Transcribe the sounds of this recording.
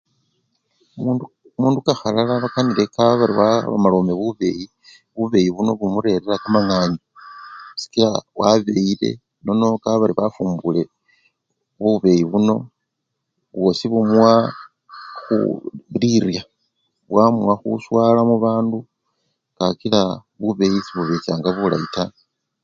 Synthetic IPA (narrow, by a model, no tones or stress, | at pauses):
muːndukaxalalaβakanile̞kaβaβaɾiwaβa̰malo̞ːmeβuβe̞ji | βuβe̞jiβuno̞βumuɾe̞ɾeɾakamaŋaːɲosi̥kiɾawaβe̞ile̞̰ | no̞no̞kaβaɾiβafuːmbule̞ | βuβe̞jiβuno̞ | βwo̞siβumwa | xṵliɾja | βwamwaxṵswalamuβaːndu | kakila | βuβe̞jit͡siβuβe̞t͡ʃaːŋɡaβula̰ita